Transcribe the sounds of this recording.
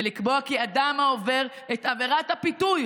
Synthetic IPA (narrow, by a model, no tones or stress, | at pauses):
elikbo̞akiad̪amaove̞ʁ | et̪ave̞ʁathapituj